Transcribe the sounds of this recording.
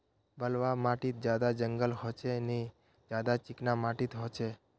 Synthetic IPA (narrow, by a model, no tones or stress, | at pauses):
bəlʋamaʈit̪̚d͡ʒjad̪ad͡ʒəŋɡəlɦot͡ʃʰene | d͡ʒjad̪at͡ʃɪknamaʈit̪ɦot͡ʃʰe